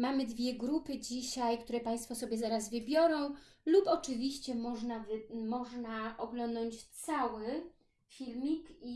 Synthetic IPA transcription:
mamɘd̪vʲjɛɡɾupɘd͡ʑiɕajkt̪uɾɛpaj̃st̪fɔsɔbʲjɛzaɾazvɘbʲjɔɾɔ̃w̃lupɔt͡ʂɘvʲiɕt͡ɕɛmɔʐnavmɔʐnaʔɔɡlɔnd̪ɔɲt͡ɕt̪sawɘ | fʲilmʲiki

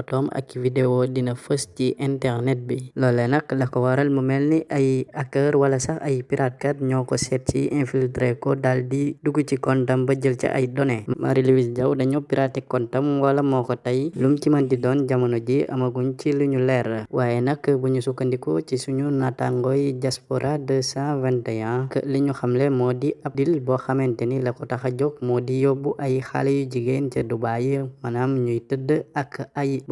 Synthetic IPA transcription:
tɔmɐ̰kːividewodinɐfəsciʔɛntɛɾnɛt̚bilɔlːenɐkːdɐkɔwaɾɐlməmɛlniʔɐjakːəɾwɐlɐsɐxɐ̰jpiɾʔat̚kɐtɲɔːkɔsɛt̚cḭʔɛ̃nfiltɾekodaldiduɡucikɔntɐmbɐɟəlt͡ʃɐ̰ʔɐ̰jdɔnema̰ɾiliwisɟɐwdɐɲopiɾatikːɔntɐmwɐlɐmɔkotɐjlumcimɐndidɔːnɟamɐnoɟiʔɐ̰mɐɡunt͡ʃiluɲulɛɾəwaːjenɐkːəbuɲusukːəndikot͡ʃisuɲunataŋɡɔjɟaspoɾʔadəsãvɛntɐjãkə̰liɲuxɐmlemɔːdiʔɐp̚dilbɔxɐmɛntenilɐkɔtaxɐɟɔk̚mɔːdijobuʔɐjixa̰lejuɟiɡent͡ʃədubajimɐnamɲujtədəɐkːajib

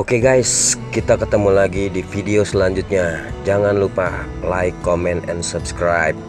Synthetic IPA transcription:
ʔokeɡajskit̪akət̪əmulaɡidifideosəlaɲd͡ʒʊt̪̚ɲad͡ʒaŋanlupa | lajkːomɛnt̪ɛnsubskɾajp̚

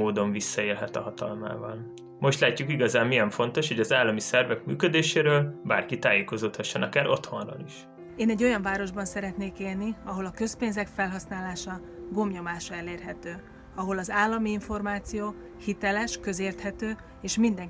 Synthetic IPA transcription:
oːd̪o̞ɱvisːɒeːlɦɛt̪ɒɦɒt̪ɒ̰lma̰ːvɒl | mo̞ʃt̪laːcːukiɡɒzaːmːijɛɱfo̞nt̪o̞ʃho̞ɟɒzaːlːɒmisɛrvɛkmy̰ːkød̪eːʃeːɾøːlba̰ːrkit̪aːjeːko̞zoːt̪hɒʃːonɒkaːɾʔo̞t̪ho̞nro̰ːliʃ | eːnɛɟːo̞jɒɱvaːɾo̞ʒbɒnsɛɾɛt̪neːkeːlniɒɦo̞lɒkø̞speːnzɛkfɛlɦɒsnaːlaːʃɒ | ɡo̞mɲo̞maːʃɒɛleːrɦɛt̪øː | ɒɦo̞lɒzaːlːɒmiiɱfo̞rmaːt̪sijoː | hit̪ɛlɛʃkøzeːrt̪hɛt̪øː | eːʃmind̪ɛŋ

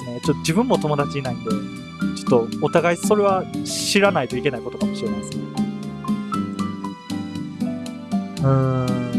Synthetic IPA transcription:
net͡ɕot̪ːod͡ʑibɯ̟̃mːot̪o̞mo̞d̪at͡ɕiɲnait̪o̞ | t͡ɕo̥t̪ːo̞ot̪aɡaiso̞ɾe̞β̞aɕiɾanait̪o̞ike̞naiko̞t̪okamo̞ɕiɾeaj̪esɨn | ɯ̃ | ɯ̟̃ː

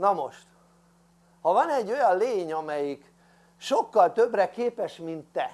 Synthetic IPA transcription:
nɒmo̞ʃt̪ | hɒvɒnɛɟːo̞jɒlleːɲɒmɛjik | ʃo̞kːɒlt̪ø̞brɛkeːpɛʃmint̪ːɛ

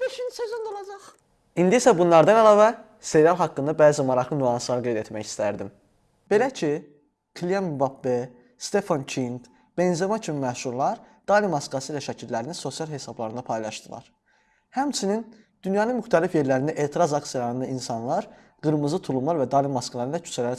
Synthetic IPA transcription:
b̥eʃinsøzynd̪olˠɑd͡ʒɑχ | ind̪iisæbunlˠɑɾd̪ɑnælˠɑːvæ | sejɾɑmɦɑkːɯnd̪ɑbæːzimɑɾɑχlˠɯnuɑnsɯlɑɾɡe̞jd̪e̞t̪mæçi̥st̪æɾd̪im | b̥e̞læcʰi | kʰlʲiambɑpbe | st̪e̞fɑncʰint̪ | b̥enzemɑcʰimimæʃuɾlˠɑɾd̪̥ɑlimɑskɑsɯlæʃæcʰilːæɾininso̞sjɑlˠɦe̞sɑblˠɑɾɯnd̪ɑpʰɑjlˠɑʃd̪ɯlˠɑ̰ɾ̥ | hæmt͡ʃʰinin | d̪̥ynjɑnɯnmyxt̪ʰælifje̞ɾlæɾind̪æʔe̞ːt̪ʰiɾɑzɑksijɑlˠɑɾɯnd̪ɑinsɑnlˠɑɾ | ɡ̥ɯɾmɯzɯt̪ʰulˠumlˠɑɾvæd̪ɑlimɑskʰɑlˠɑɾɯnlæcʰy̥t͡ʃʰælæɾi

